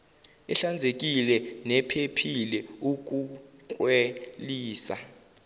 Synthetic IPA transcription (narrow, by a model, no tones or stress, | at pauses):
ɛɬand͡zʱek̬ilɛnɛpʰepʰilɛuk̬ʼukʼweliːsa̰